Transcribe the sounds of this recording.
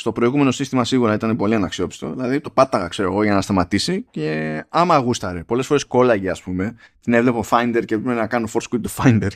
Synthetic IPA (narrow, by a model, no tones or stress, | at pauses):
st̪o̞pɾo̞iɣume̞no̞sist̪imɐsiɣuɾɐit̪ɐne̞po̞liɐnɐksio̞pi̥st̪o̞̰ðilɐðit̪o̞pɐt̪ːɐɣɐkse̞ɾo̞eɣo̞ʝɐnɐst̪ɐmɐt̪isice̞ɐmɐːɣust̪ɐɾepo̞lesfo̞ɾe̞sko̞lɐʝeɐspume̞ | t̪ine̞vle̞pofajnd̪e̞ɾcepɾepenɐkɐnofo̞ɾskit̪ofɐjnd̪eɾ